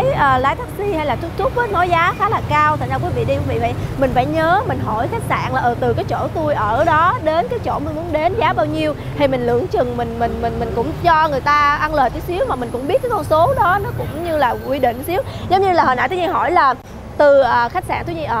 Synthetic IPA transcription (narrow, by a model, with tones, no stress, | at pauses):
ə˨˦jʔəː˨˩laː˨˦jt̪ʰa˦˧˥p̚si˧ha˧jlaː˨˩t̪ʊ˦˥k̚t̪ʰʊ˦˥p̚ə˨˦nɔ˨˦jzaː˨˦xaː˨˦laː˨˩kaː˧wt̪ʰa˨˩ŋza˧kwi˨˦vḭ˧˨ɗi˧kːvḭ˧˨və̰˧˨jmï˨˩ŋ̟fa̰ː˧˩jɲəː˨˦mï˨˩ŋ̟ɦɔ˧˩jxa˦˥jk̟̚sa̰ː˧˩˨nlaː˨˩ʔəː˨˩t̪ɨ˨˩kaː˨˦jt͡ɕo̰˧˩t̪u˧əjʔəː˧˩ɗɔ˨˦ɗe˨˦nkaː˨˦jt͡ɕo̰˧˩mə˧˩nmu˨˦ənɗe˨˦nzaː˨˦ɓaː˧wɲi˧əw | t̪ʰi˧˩mï˨˩ŋ̟lɨ̰˧˩˥əŋt͡ɕɨ˨˩ŋmï˨˩ŋ̟mï˨˩ŋ̟mï˨˩ŋ̟mï˨˩ŋ̟kʊ̰˧˥wŋ͡mt͡ɕɔ˧ŋɨ˨˩əjt̪aː˧ʔa˧nləː˨˩jt̪i˨˦si˨˦əwmaː˨˩mï˨˩ŋ̟kʊ̰˧˥ŋ͡mɓi˦˥ət̚kaː˨˦kɔ˧nso˨˦ɗɔ˨˦nɔ˨˦kʊ̰˧˥wŋ͡mɲɨ˧laː˨˩kwi˧ɗḭ̈˧˨ŋ̟si˨˦əwzə˨˦wɲɨ˧laː˨˩ɦəː˨˩na̰ː˧˨jt̪ʰːɲi˧nɦɔ˧˩jlaː˨˩ | t̪ɨ˨˩ʔəː˨˩xa˦˥k̟̚sa̰ː˧nt̪ʰu˧˦ɲi˧ʔəː˨˩